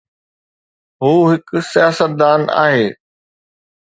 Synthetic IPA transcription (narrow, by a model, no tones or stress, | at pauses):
ɦuːɦɪksijaːsət̪̚d̪aːna̰ːɦeː